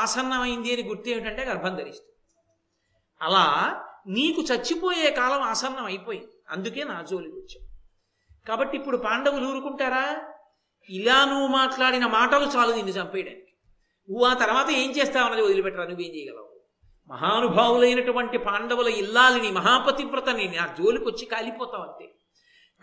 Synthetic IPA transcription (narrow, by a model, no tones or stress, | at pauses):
aːsɐnːɐmɐjind̪iɐniɡuɾt̪eːmiʈɐɳʈe̞ːɡɐɾbʱɐŋɡ̪ɐɾist̪e̥ | ɐlaːniːkut͡ʃɐt͡ʃːipo̞ːjeːkaːlɐmaːsɐnːɐmɐjipo̞ːjind̪iɐ̰nd̪uke̞ːnaːd͡ʒoːliut͡ʃːḁː | kaːbɐʈːipːuɽupaːɳɖɐʋuluːɾukuɳʈaːɾaː | ilaːnuʋumaːʈlaːɽinɐmaːʈɐlut͡ʃaːlud̪iːnd̪ut͡ʃɐmpɛjɽa̰ːniki̥ | uʋaːt̪ɐɾɐʋaːt̪ɐe̞ːɲt͡ʃeːst̪aːʋɐnːɐliod̪ilipɛʈːɐɾanuʋːeːɲt͡ʃɛjɐɡɐlɐ̰u | mɐ̰ɦaːnubʱaːʋulɐjnɐʈuʋɐɳʈipaːɳɖɐʋulɐilːaːlinimɐɦaːpɐt̪impɾɐt̪ɐneːninaːd͡ʒo̞ːlikɐt͡ʃːikaːlipɔːt̪aːʋɐɳʈḛː